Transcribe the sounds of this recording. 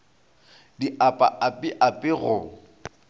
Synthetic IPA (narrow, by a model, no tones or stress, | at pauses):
diʔapʼa̰ʔapʼɪʔapʼɪɣʊ